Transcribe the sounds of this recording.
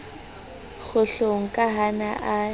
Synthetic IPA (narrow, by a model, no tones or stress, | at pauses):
ɣʊɬoŋ̩kʼaɦanaʔa